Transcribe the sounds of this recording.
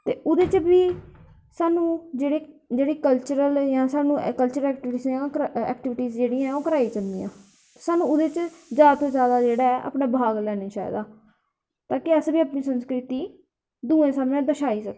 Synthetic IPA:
t̪eːʔʊd̪eːt͡ʃbiː | saːnũːd͡ʒeːɽeːd͡ʒeːɽiːkəlt͡ʃəɾəljãːsaːnũːkəlt͡ʃəɾəlɛːkʈɪʋisjãːkɛ̰ːkʈɪʋɪʈiːzd͡ʒeːɽiːãɛ̃oːkəɾaːit͡ʃənd̪iːjã̰ː | saːnũːʊd̪eːt͡ʃd͡ʒjaːd̪at̪õːzjaːd̪aːd͡ʒeːɽaːɛːʔa̰ːpɳãːbaːɡlɛːneːʃaːj̰d̪aː | t̪aːkeəsbiːəːpniːsənskɾɪt̪iː | d̪uːẽːsamnẽːd̪əʃaːiːsək

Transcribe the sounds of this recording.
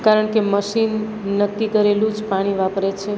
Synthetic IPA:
kaɾəɳkeməʃinː | əkːikəɾelũd͡ʒpaɽ̃iʋapɾet͡ʃʰe

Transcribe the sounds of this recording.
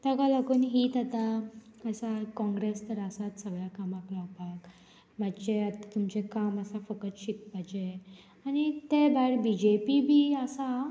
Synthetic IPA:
t̪akaləɡuːnɦit̪at̪aəsakɔ̃ŋɡɾest̪əɾasat̪səɡɭjakamaklɔapak | mat͡ɕeat̪at̪umt͡ɕekaməsafəkət͡sɕikpad͡ʑe | añit̪ebajɽbid͡ʑepibʱiːəsa

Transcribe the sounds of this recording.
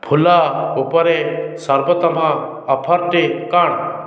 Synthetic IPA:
pʰulaupɔɾesɔɾbɔt̪ɔmãː | pʰaɾʈekaɳ

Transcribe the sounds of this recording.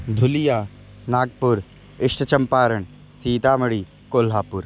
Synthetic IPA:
d̪ʱʊlijaː | naːɡ̚pʊɾ | ɪʂʈət͡ʃɐmpaːɾəɳ | siːd̪aːmɐɽiː | koːlɦaːpʊɾ

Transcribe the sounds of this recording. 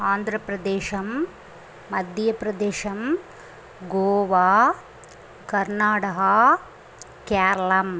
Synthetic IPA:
aːnd̪ʱɾɐpɾɐd̪eːʃɐmː | ɐd̪ʱjɐpɾɐd̪eːʃɐm | ɡoːʋaː | kɐɾnaːʈɐɦɐ | kaːɾɐlɐm

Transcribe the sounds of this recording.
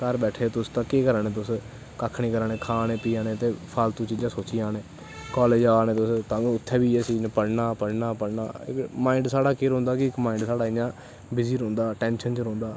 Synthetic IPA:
kəɾbɛːʈʰeːt̪ʊst̪ãːkeːkəɾanẽːt̪̬ʊs | kakʰɳiːkəɾaːnẽːkʰaːnẽːpiːãːneːt̪eːpʰaːlt̪ũːt͡ʃiːd͡ʒãːsoːt͡ʃɪjãːneː | kɔːleːd͡ʒaːnẽːt̪ʊst̪ãːnũːʊt̪ʰːɛːbiːeːsiːnpəɽnaːpəɽnaːpəɽnaːɪ̰kmãːɪɳɖsaːɽaːkeːɾõːnd̪aːkɪɪkmaːɪ̃ːɳɖsaːɽaːɪjãː | bɪziːɾõːnd̪aːʈɛ̃ːnʃənt͡ʃɾõːnd̪aː

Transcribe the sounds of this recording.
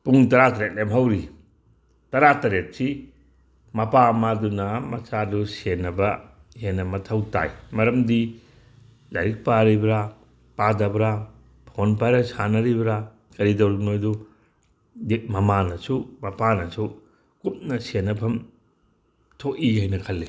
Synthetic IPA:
puŋtɐɾatɐɾet̚lemɦawɾi | tɐɾatɐɾet̚si | mɐpamadunɐmɐsadusenɐbɐ | henɐmɐtʰawta̰jmɐɾɐmdi | laɾik̚paɾibɾa | padɐbɾa | pʰonpajɾɐsanɐɾibɾa | kɐɾidɐwɾinojdu | demɐmanɐsumɐpanɐsu | kup̚nɐsenɐpʰɐm | tʰoʔihajnɐkʰɐlːi

